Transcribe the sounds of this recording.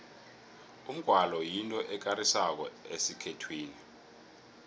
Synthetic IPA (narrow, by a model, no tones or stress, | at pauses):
um̩ɡ̥ʱwalɔjintʼɔʔɛk̬aɾisak̬ɔ̰esikʰetʰwiːni